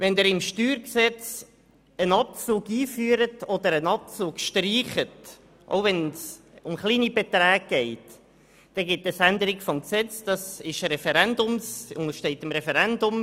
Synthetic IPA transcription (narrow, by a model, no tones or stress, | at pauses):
vɛnd̪ɛɾɪmʃtyːɾksɛt͡s | ənɑp̚t͡suːɡiːfyːɾətɔd̪əɾənɑp̚t͡suːkʃtriːχət | ʔo̰ʊvɛns | ʊmχliːnibɛtɾæːɡ̚ɡ̥ɛɪt | d̥ɛɡɪtəsændəɾɪɡfɔmksɛt͡sd̥ɑsɪʃɾɛfɛɾɛnd̪ʊmsʊŋəʃtɛɪt̪əmɾɛfɛɾɛndʊm